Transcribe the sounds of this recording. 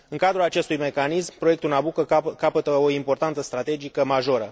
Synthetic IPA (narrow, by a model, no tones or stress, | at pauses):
ɨŋkad̪ɾulat͡ʃe̞st̪ujme̞kanismpɾoe̞k̚t̪ulnabukəkapət̪əo̞impo̞rt̪ant̪səst̪ɾat̪e̞d͡ʒikəmaʒo̞ɾə